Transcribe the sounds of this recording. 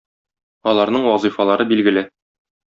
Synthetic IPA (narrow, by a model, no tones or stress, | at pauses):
ɒlˠɑɾnɤɴwɒzɤfɑlˠɑɾɤbilɡɘ̆lɘ